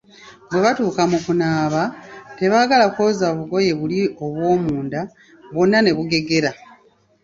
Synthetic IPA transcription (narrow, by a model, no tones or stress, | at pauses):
bwe̞βatuːkamukunaːβate̞βaːɡalakoːzaβuɡo̞je̞βulio̞βwo̞ːmuːnda | βonːane̞βuɡe̞ɡe̞ɾa